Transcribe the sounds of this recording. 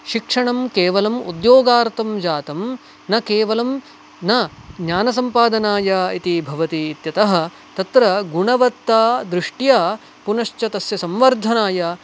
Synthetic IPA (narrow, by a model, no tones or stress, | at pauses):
ʃikʂɐɳɐmkeːʋɐlɐmud̪joːɡaːɾt̪ɐmd͡ʒaːt̪ɐm | nɐkeːʋɐlɐm | nɐɲaːnɐs̬ɐmpaːd̪ɐnaːjɐit̪ibʱɐʋɐt̪iːt̪jɐt̪ɐɦɐ̆ | t̪ɐt̪ɾɐɡuɳɐʋɐt̪ːaːd̪ɾɪʂʈjaː | punɐʃt͡ʃɐt̪ɐsjɐsɐmʋɐɾd̪ʱɐnaːjɐ